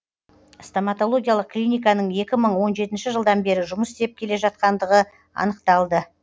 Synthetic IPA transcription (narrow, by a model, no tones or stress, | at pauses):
st̪omat̪o̞lˠo̞ɡʲijalˠəq̚klʲijnʲijkɑnəɴe̞kʲɪməɴwo̞nʒe̞t̪ɪnʃɪʒəlˠd̪ɑnbe̞ɾɪʒʊməsd̪e̞p̚kʲʰe̞le̞ʒɑt̪̚qɑnd̪əʁə | ɑ̰nəqt̪ɑlˠd̪ə